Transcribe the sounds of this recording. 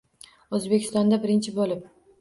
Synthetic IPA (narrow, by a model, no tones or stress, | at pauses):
ɵzbe̞kʲʰɪst̪ɒnd̪abɪɾɪnt͡ʃʰɪbolɪp̚